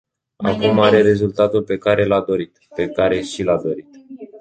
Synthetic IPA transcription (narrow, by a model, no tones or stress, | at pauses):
a̰kumaɾe̞ɾe̞zult̪at̪ulpe̞kaɾe̞lad̪o̞ɾit̪pe̞kaɾe̞ʃilad̪o̞ɾit̪